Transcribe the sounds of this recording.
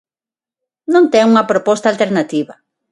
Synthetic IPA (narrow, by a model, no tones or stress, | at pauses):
nõnt̪ɛŋuŋɐpɾopɔst̪alt̪eɾnat̪iβɐ